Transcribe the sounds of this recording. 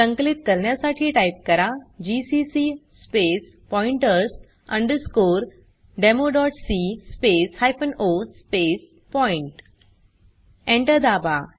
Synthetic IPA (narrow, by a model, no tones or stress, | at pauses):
sə̃ŋklit̪̚kəɾɳjasaʈʰiːʈajp̚kəɾad͡ʑisisispes | pɔiɳʈəɾs | ə̰̃ɳɖəɾskoɾ | ɖemoɖɔʈsispeshajfənospes | pɔiɳʈ | ẽɳʈəɾd̪aba